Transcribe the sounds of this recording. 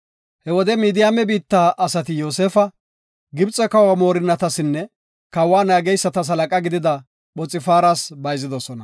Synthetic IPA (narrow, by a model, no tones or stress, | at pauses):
hɛwɔd̪ɛmiːd̪ɪjaːmɛbiːt̪ːaːʔɐsɐt̪ɪjoːseːfɐ | ɡɪbt͡sʼːɛkɐwamo̞ːɾɪnːɐt̪ɐsɪnːɛ | kɐwaːnaːɡɛjsːɐt̪ɐs̬ɐlɐkʼɐɡɪd̪ɪd̪ɐ | ɓɔt͡sʼːɪfaːɾasbɐjzɪd̪ɔsɔnɐ